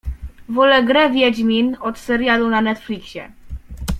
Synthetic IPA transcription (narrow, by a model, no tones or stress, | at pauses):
vɔlɛɡɾɛvʲjɛd͡ʑmʲinɔt̪sɛɾʲjalunanɛt̪flʲikɕɛ̰